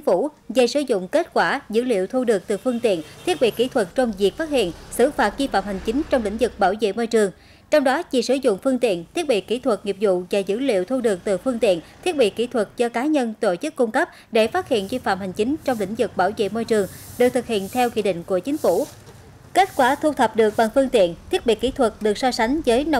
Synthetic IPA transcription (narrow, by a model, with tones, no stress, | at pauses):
fu˧˩zə˨˩jsɨ˧˩zʊ̰˧˨ŋ͡mke˦˥t̚kwaː˧˩zɨ̰˧˥lḭ˧˨əwt̪ʰu˧ɗɨ˨˩ək̚t̪ɨ˨˩fɨ˧əŋt̪ḭ˧˨ənt̪ʰi˦˥ət̚ɓḭ˧˨ki˧˩t̪ʰwə˨˩t̚t͡ɕɔ˧wŋ͡mvi˨˩ək̚faː˦˥t̚hḭ˧˨ənsɨ˧˩faː˨˩t̚zi˧fa̰ː˧˨mha˨˩ŋ̟t͡ɕï˨˦ŋ̟t͡ɕɔ˧wŋ͡mlḭ̈˧˩˥ŋ̟zɨ˨˩k̚ɓaː˧˩wzḛ˧˨mo˧jt͡ɕɨ˨˩əŋ | t͡ɕɔ˧wŋ͡mɗɔ˨˦t͡ɕi˨˩sɨ˧˩zʊ̰˧˨ŋ͡mfɨ˧əŋt̪ḭ˧˨ənt̪ʰi˦˥ət̚ɓḭ˧˨ki˧˩t̪ʰwə˨˩t̚ŋi˨˩əp̚zʊ̰˧˨vaː˨˩zɨ̰˧˥lḭ˧˨əwt̪ʰu˧ɗɨ˨˩ək̚t̪ɨ˨˩fɨ˧əŋt̪ḭ˧˨ənt̪ʰi˦˥t̚ɓḭ˧˨ki˧˩t̪ʰwə˨˩t̚zɔ˧kaː˨˦ɲə˧nt̪o˧˨t͡ɕɨ˦˥kːʊ˧ŋ͡mkə˦˥p̚ | ɗe˧˩faː˦˥t̚hḭ˧˨ənzi˧fa̰ː˧˨mha˨˩jŋ̟t͡ɕï˨˦ŋt͡ɕɔ˧wŋ͡mlï˧˩˥ŋ̟zɨ˨˩k̚ɓaː˧˩wzḛ˧˨mo˧jt͡ɕɨ˨˩əŋɗɨ˨˩k̚t̪ʰɨ˨˩k̚hḭ˧˨ənt̪ʰɛ˧wkḭ˧˨ɗḭ˧˨ŋ̟ku˧˩ət͡ɕï˨˦ŋ̟fu˧˩ | ke˦˥t̚kwaː˧˩t̪ʰu˧t̪ʰə˨˩p̚ɗɨ˨˩ək̚ɓa˨˩ŋfɨ˧əŋt̪ḭ˧˨ənt̪ʰi˦˥ət̚ɓḭ˧˨ki˧˩˥t̪ʰwə˨˩t̚ɗɨ˨˩ək̚sɔ˧sa˨˦ŋ̟zəː˨˦jna˧